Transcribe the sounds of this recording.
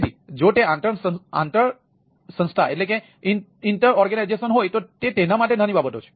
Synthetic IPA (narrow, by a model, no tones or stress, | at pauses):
d̪ʱid͡ʒot̪eãnt̪əɳəã̰nt̪əɭ | sə̃nst̪ʰaʔḛʈleke | iɳʈəɾɔɾɡənajd͡ʒesənɦojt̪ot̪et̪enamaʈenãnibabət̪ot͡ʃʰe̥